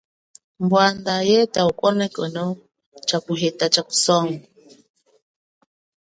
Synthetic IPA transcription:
mbwandajɛtaukʼɔnɛkʼənɔ | t͡ʃakuɦetat͡ʃaku̥sɔŋɔ

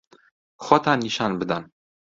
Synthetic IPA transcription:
χɒt̪aniʃanbɘ̆d̪an

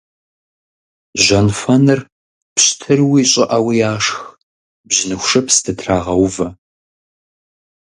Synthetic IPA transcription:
ʑɐnfɐnɨr | pɕtʰɨrwiːɕʼɪʔɐwijaːʂx | bʑɪnɨxʷʂɐpstʰɨtʰraːʁɐwvɐ

